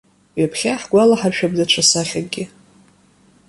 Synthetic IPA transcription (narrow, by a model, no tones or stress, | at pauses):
ɥapʰχʲaħɡ̥ʷalaħarʃᶣabdat͡ʃʷʰasaχʲaɡʲɪ